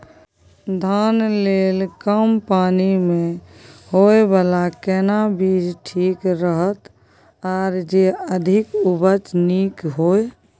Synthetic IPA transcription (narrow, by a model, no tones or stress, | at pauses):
d̪ʱaːnleːlkəmpaːnimẽhoebəːlakɛːnabiːd͡ʒʈʰiːkɾəɦət̪ | ɔːɾd͡ʒeəd̪ʱɪkubət͡ʃniːkɦoːe